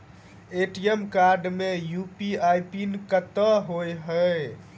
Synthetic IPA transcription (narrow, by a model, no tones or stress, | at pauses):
eʈiemkaɾɖmejupiajpinkət̪əɦojɦə